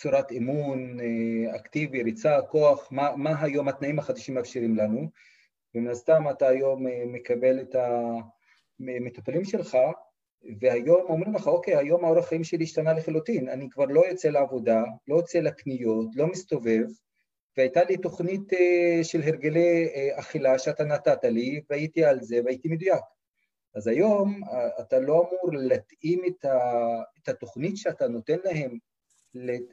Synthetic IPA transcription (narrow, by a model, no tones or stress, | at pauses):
t͡suɾatemun | aktiviɾit͡sako̞aχmamaɦajo̞mhat̪naimhaχad̪aʃimeafʃiɾimlanu | beminast̪amataːjo̞memːe̞kabe̞leta | met̪upalimʃe̞lχa | vehajo̞mo̞mɾimleχaoke̞jajo̞maoɾaχaimʃeliːʃtanaleχalutinanikvaʁlo̞jot͡se̞leavo̞dalo̞jot͡selaknijo̞tlo̞mist̪o̞ve̞v | veajtalit̪o̞χnit̪eʃelɦeʁɡeleaχilaʃeat̪anat̪at̪aliveajit̪ialze̞vait̪imed̪ujak | azajo̞mat̪alo̞amuʁllat̪imet̪aet̪hat̪o̞χnitʃeat̪ano̞t̪e̞nlahe̞m | le